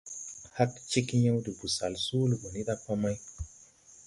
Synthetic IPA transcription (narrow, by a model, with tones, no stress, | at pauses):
ha˦kt͡ʃi˦kɲa˦wdi˨bu˨sa˨lsu˦lu˨bo˨ni˦da˦pa˦ma˦j